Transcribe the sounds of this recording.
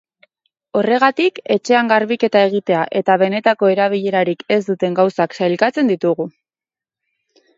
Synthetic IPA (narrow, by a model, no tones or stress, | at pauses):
o̞re̞ɣ̞at̪ike̞t͡ʃe̞aŋɡaɾβike̞t̪ae̞ɣ̞it̪e̞aʔe̞t̪aβ̞e̞ne̞t̪ako̞e̞ɾaβ̞iʎe̞ɾaɾike̞zd̪ut̪e̞ŋɡawsaksajlkat͡se̞nd̪it̪uɣ̞u